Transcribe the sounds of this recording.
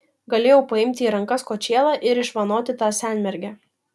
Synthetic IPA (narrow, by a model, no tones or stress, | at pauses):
ɡɐlʲeːjɛʊpɐɪmʲt̪ʲɪiːɾɐŋkɐskoːt͡ʃʲeːlˠɑːʔɪɾɪʃʋɐnoːt̪ʲɪt̪ɑːsʲæˑnʲmʲɛɾʲɡʲæː